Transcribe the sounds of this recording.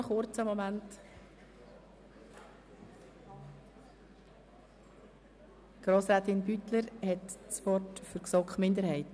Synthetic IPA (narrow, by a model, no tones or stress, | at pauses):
χʊɾt͡səmɔmænt | ɡ̥ɾoːsɾaːt̪ɪnbytləɾhɛtspɔtfʏɾksɔkχmɪnd̪əɾhɛɪt